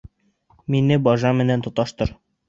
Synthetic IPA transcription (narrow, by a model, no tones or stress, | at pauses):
minɘbɒʒɑmɘ̆nænt̪ŏt̪ɑʃt̪ɤɾ